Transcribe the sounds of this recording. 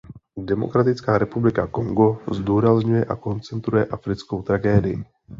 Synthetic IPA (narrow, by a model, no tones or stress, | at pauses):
dɛmo̞̰kɾat̪ɪt͡skaːɾɛpublɪkako̞ŋɡo̞zduːɾazɲujɛʔa̰ko̞nt͡sɛnt̪ɾujɛʔafɾɪt͡sko̞wt̪ɾaɡɛːdɪjɪ